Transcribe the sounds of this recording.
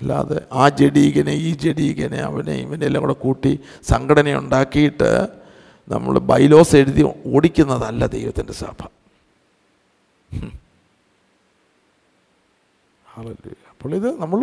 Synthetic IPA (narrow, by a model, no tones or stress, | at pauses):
ɐlːa̰ɐðḛʔaːd͡ʑeɽiːɣɐneiːd͡ʑeɽiːɣɐnḛɐ̰ʋɐnḛḭʋɐnelːɐŋuɽekuːʈːi | sɐŋɡʰɐɽɐnɐjṵɳɖaːkːijiʈːɨ̰ | nɐ̰mːɐ̰ɭbɐjlo̞ːse̞ɻuðioːɽikʲːunːɐðɐlːɐd̪ejʋɐt̪ːindesa̰ːbʰʱɐ̥ | haːlelṵːjɐɐpːoːɭːiðɨnɐmːɐɭ